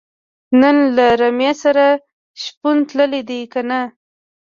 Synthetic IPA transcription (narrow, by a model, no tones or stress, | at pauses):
nənlaɾamjesaɾa | ʃpunt̪ləled̪ekana